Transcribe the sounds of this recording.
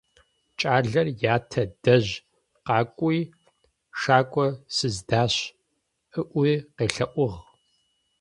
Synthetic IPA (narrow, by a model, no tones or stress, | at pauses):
t͡ʃʼaːɮɐrjaːtʰɐdɐʑ | qɑːkʷʼuj | ʂaːkʷʼɔsɨzdaːɕ | ʔɨʔʷijqeːɬɐʔʷʊʁ